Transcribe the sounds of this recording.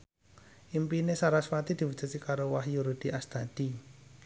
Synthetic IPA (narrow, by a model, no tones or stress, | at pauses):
ʔimpinesaɾaswat̪id̪̥i̤wu̥d͡ʒ̥a̤sikaɾowahjuɾud̪̥iʔast̪ad̪̥i